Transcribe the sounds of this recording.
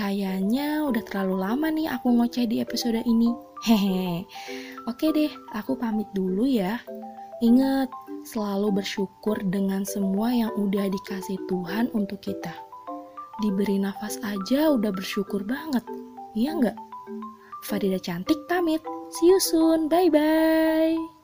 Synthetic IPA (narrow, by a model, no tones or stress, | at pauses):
kajaɲaudaht̪ərlalulamanɪha̰kuŋot͡ʃadiepisodoʔinihɛɦɛ | okedɛhakupamɪt̪̚duluja | iŋət̪̚səlalubərʃukʊrdəŋansəmuajaŋudahdikasiht̪uɦanunt̪ʊkːit̪a | dibəɾinafasad͡ʒaudahbərʃukʊrbaŋət̪̚ijaŋɡaʔ | fadidat͡ʃant̪ɪk̚pamɪt̪̚siusʊnbajbaj